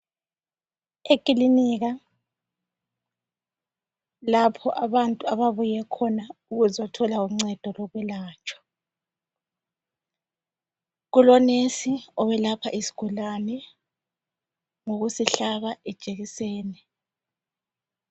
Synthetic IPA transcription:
ekʼiliniɣa | lapʰɔʔaβantʼuaβaβujɛkʰɔnauɣuzɔtʰɔlauŋ͡ǀɛd̥ʱɔlɔɣwɛlaːt͡ʃʰʼɔ̥ | ɣulɔnesiɔβɛlapʰaʔisi̥ɡ̥ʱulanɛ | ŋoɣusiɬaβaʔɛ̥t͡ʃʼeɣisɛːnɛ

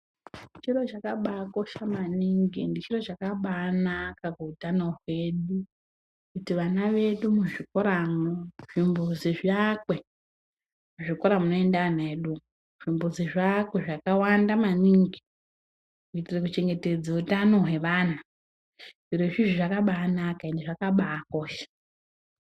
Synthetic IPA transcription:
nit͡ʃiro̞t͡ʃakaɓakoʃamaniŋɡḭndit͡ʃiro̞t͡ʃakaɓanakakuutanoɦwe̞ɗu | kutiʋanaʋe̞ɗumuʐikoɾamoʐ̥imbuziʐakwe̞ | muʐikoɾamuno̞e̞ndaaneɗu | ʐ̥imbuziʐakwe̞ʐakawandamaniŋɡi | utirik̬ut͡ʃe̞ŋɡe̞te̞d͡zautano̞ɦe̞ʋana | ʐireʐiʐiʐakaɓaːnakaindiʐakaɓaːko̞ːʃe̥

